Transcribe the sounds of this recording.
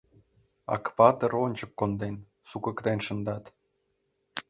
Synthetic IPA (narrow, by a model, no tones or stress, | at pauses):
ɑ̰kβɑt̪əɾonʲt͡ɕəkːond̪en | sukə̆kt̪enʃə̆nd̪ɑt̪